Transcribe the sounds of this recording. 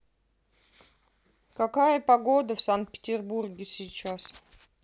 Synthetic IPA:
kɐkajəpɐɡod̪əfsant̪̚pʲɪ̥tʲɪrburɡʲɪsʲɪt͡ɕːas

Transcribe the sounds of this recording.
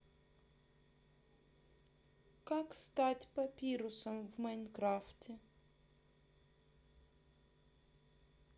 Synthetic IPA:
kakst̪atʲpɐpʲiɾʊsɐmvmɐjnkɾaftʲɪ

